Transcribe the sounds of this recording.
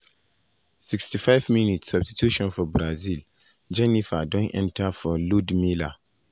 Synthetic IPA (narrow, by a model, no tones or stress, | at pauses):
sikstifaɪvminitsabstitʰuʃɔ̃nfɔbɾazil | d͡ʒɛnifadɔ̃nɛ̰̃ntʰafɔludmila